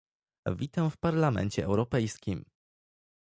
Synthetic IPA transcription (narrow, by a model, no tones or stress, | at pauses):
vʲit̪ãw̃fpaɾlamɛ̰nt͡ɕɛɛ̰wɾɔpɛjskʲim